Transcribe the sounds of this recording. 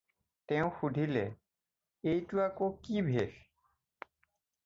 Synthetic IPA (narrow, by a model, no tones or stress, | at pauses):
tɛ̃ʊ̃xudʱilɛ | ejtuakokibʱex